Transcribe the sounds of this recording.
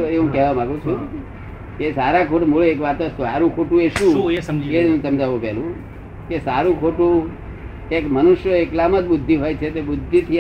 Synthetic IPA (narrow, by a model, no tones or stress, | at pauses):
eɦũkɛɦʋamãɡũt͡ʃʰũ | kesaɾakʰoʈmoɭeekʋat̪osaɾũkʰoʈũeʃũeɽũsəmd͡ʒaʋũpɛlũ | kesaɾũkʰoʈũ | ekmənʊʃjəeklaməd͡ʒ̪ɓʊd̪ʱːiɦojt͡ʃʰet̪eɓʊd̪ʱːit̪ʰi